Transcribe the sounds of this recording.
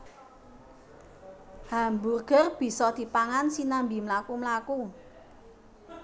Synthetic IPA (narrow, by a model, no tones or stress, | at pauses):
hamburɡ̥ə̤rb̥i̤sɔd̪̥i̤paŋansinambimlakumlaku